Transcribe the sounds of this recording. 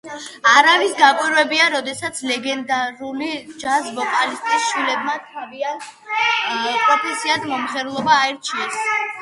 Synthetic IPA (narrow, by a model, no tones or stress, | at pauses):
aɾavisɡakʼwiɾwɛbiaɾɔd̪ɛsat̪sʰlɛɡɛnd̪aɾulid͡ʒazvɔpʼalist̪ʼisʃwilɛbmat̪ʰaviant̪ | pʼɾɔpʰɛsiad̪mɔmχɛɾulˠɔbaːɛɾt͡ʃʰiɛs